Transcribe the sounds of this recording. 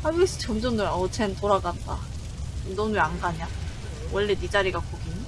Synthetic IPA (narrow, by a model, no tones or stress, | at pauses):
abis͈ɯ̥t͡ɕʰomd͡ʑoŋduɾʌt͡ɕʰentoɾaɡanda̰ | ɯmdoŋduɾanɡaɲa | wʌɭːedid͡ʑaɾiɡakoɡin